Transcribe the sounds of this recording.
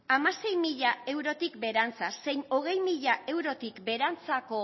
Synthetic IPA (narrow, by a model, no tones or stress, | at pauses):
amase̞jmiʎae̞wɾo̞t̪ikbe̞ɾant͡sase̞jno̞ɣ̞e̞jmiʎae̞wɾo̞t̪ikbe̞ɾant͡sako̞